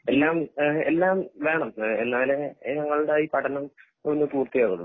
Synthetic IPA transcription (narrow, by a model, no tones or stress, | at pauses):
e̞lːaːme̞̰lːaːmʋe̞ːɳɐmenːaːleɲɐŋːɐɭuɽejipɐʈʰːɐnɐm | onːɨpuːrt̪ijakːoɽu